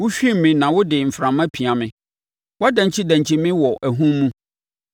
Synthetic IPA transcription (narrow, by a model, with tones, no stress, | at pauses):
wʊ˦ɕᶣi˦m˨mːĩ˨nã˨wʊ˦dɪ˨m̩˨fɾã˨mã˦pʰi˨a˨mɪ̃˦ | wa˦dã˨ɲ˨t͡ɕʰi˦dæ̃˨ɲt͡ɕʰi˦mɪ̃˦wɔ˨ʔæ˨ɦũ˦mː˦ũ˦